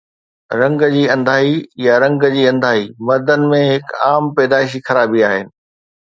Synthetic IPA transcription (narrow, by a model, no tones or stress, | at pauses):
ɾɐ̃ŋɡd͡ʑiːɐ̃nd̪ʱaːijaɾɐ̃ŋɡd͡ʑiːɐ̃nd̪ʱaːɦimɐɾd̪ənɪ̆mẽɦɪkaːmpɛːd̪aːɪʃ̬ixɐɾaːbiaːɦɪnɪ̆